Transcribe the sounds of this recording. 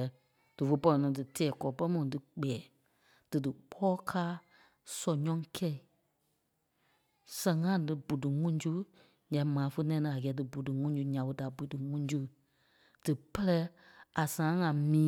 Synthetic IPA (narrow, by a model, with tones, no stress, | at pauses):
d̥ɨ˨fə˧˦pɔ˧lɔ̃˨nɔ̃˨˦dɨ˨tʰɛː˨kɔː˨˦pɛ˦mɔ̃˧˨dɨ˨k͡pɛː˨˦˨ | d̥ɨ˨dɨ˨k͡pʰɔː˦kʰaː˦ | sɔ˨ɲɔ̃˦kʰɛ˦˨i˨ | sɛ̃˨ŋã˦dɨ˧bu˨dɨ˨ŋũ˦d͡ʒu˦ | ɲã˨˦mãː˨˦fə˧˦nɛ̃˧˨˧nɨ̃˨a˨ɡɛː˨˦dɨ˨bu˨dɨ˨ŋũ˦d͡ʒu˧˦ɲã˨ɓə˧˦da˨bu˨˦dɨ˨ŋũ˦d͡ʒu˦ | d̥ɨ˨pɛ˦lɛ˧˦a˨sãː˨ã˦ŋã˨mĩː˨˦